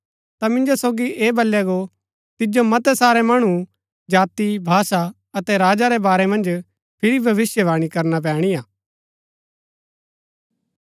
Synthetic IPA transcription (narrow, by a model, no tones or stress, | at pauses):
t̪amɪ̃nd͡ʒosoːɡiʔeːbɐljaɡo | t̪ɪd͡ʒomɐt̪ɛsaːɾɛmɐɽ̃u | d͡ʒaːt̪ibʱaːsa | ɐt̪ɛɾaːd͡ʒaɾɛbaːɾɛmɐ̃nd͡ʒ | pʰɪɾibʱɐʋɪsjəʋaːɽ̃ikɐɾnap̬ɛ̃ːɽ̃ijaː